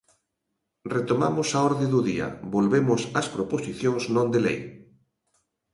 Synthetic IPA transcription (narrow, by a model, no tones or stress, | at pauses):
ret̪omamʊsaɔɾðẽðuðiɐ̰bolβemʊsɐspɾoposiθjõŋznõnd̪elḛj